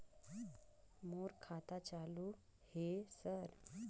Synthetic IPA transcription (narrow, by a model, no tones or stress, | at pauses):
moɾkʰat̪at͡salu | hesəɾ